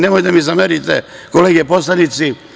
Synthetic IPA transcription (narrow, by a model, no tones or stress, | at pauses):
nemojd̪amizameɾit̪ḛkoleːɡeposlanit̪si